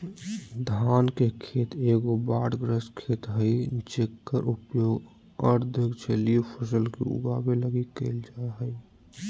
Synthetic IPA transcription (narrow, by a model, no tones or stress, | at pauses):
d̪ʱankekʰet̪eɡobaːɽɡɾəskʰet̪ɦəɪt͡ʃekːəɾʔupjoːɡ | əɾd̪ʱɪkt͡ʃʰelipʰəsəlkḭṵɡabeləɡikːəɪld͡ʒaeɦəɪ